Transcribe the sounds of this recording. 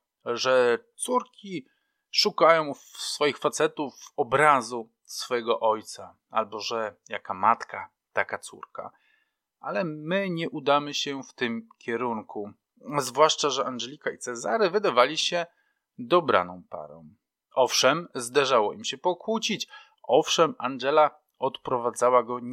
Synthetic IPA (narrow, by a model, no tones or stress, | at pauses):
ʐɛt̪suɾkʲi | ʂukajɔ̃w̃fsfɔjixfat̪sɛt̪ufɔbɾazu | sfɔjɛɡɔʔɔjt̪sa | a̰lbɔʐɛjakamat̪ka | t̪akat̪sṵɾka̰ | ʔalɛmɘɲɛʔud̪amɘɕɛft̪ɘmkʲɛɾuŋkʰu | zvwaʂt͡ʂaʐɛʔanʐɛlʲikait̪sɛza̰ɾɘvɘd̪avalʲiɕɛ | d̪ɔbɾʔa̰nɔ̃w̃pa̰ɾɔ̰̃w̃ | ʔɔfʂɛmzd̪aʐawɔʔimɕɛpɔkwut͡ɕit͡ɕ | ʔɔfʂɛmanɡɛla | ɔt̪pɾɔvad̪zawaɡɔ